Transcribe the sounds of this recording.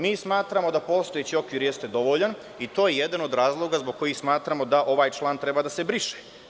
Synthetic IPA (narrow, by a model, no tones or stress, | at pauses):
miːsmaːt̪ɾamo̞d̪apo̞ːst̪ojet͡ɕio̞kʋiːɾjest̪e̞d̪o̞ʋoʎan | it̪oːjejed̪ano̞d̪ɾaːzlˠo̞ɡazboɡ̚kːo̞jixsmaːt̪ɾamo̞d̪aʔo̞ʋaːjt͡ʃlˠaːnt̪ɾe̞bad̪ase̞bɾiʃe̥